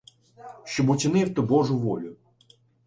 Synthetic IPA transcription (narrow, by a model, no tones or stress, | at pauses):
ʃt͡ʃɔbʊt͡sʲinɪwt̪ɪbɔʐʊʋɔlʲʊ